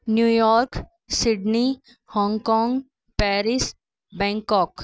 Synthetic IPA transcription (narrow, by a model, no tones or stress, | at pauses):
njuːjɔːɾk | sɪɖni | hɔ̃ːŋkɔ̃ːŋɡ | pɛːɾɪs | bɛ̃ːŋkɔːk